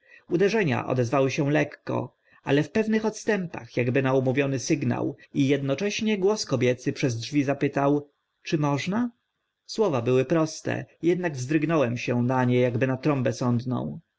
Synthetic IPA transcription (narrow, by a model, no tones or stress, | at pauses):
ud̪ɛʐɛɲa̰ʔɔ̰d̪ɛzvawɘɕɛ̃lɛkːɔ̰ | a̰lɛfpɛvnɘxɔt̪st̪ɛmpa̰xjaɡbɘnaumuvʲjɔnɘsɘɡna̰wijɛd̪nɔt͡ʂɛɕɲɛɡwɔskɔbʲjɛt̪sɘpʂɛzdʐvʲizapɘt̪aw | t͡ʂɘmɔʐna | swɔvabɘwɘpɾɔst̪ɛ̰jɛd̪naɡvzd̪ɾɘɡnɔwɛmɕɛnaɲɛjaɡbɘnat̪ɾɔmbɛsɔnd̪nɔ̰̃w̃